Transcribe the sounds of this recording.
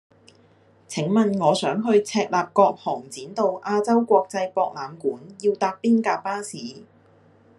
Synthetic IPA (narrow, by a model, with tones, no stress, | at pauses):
t͡sʰɪ˨˥ŋmɐ˨nŋɔː˨˧sœː˨˥ŋɦɵ˧ɥt͡sʰɛː˧k̚laː˨p̚kɔː˧k̚hɔː˨˩ŋt͡siː˨˥nt̪o˨˧wʔaː˧t͡sɐ˥wkʷɔː˧k̚t͡sɐ˧jpɔː˧k̚laː˨˧mkuː˨˥njiː˧wt̪aː˧k̚piː˥nkaː˧paː˥siː˨˥